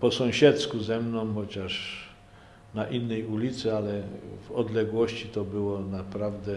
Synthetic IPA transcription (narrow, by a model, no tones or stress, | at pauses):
pɔsɔ̃w̃ɕɛt̪skuzɛmnɔ̃w̃xɔt͡ɕaʂ | naʔinːɛjulʲit̪sɛalɛvɔd̪lɛɡwɔɕt͡ɕit̪ɔbɘwɔnapɾavd̪ɛ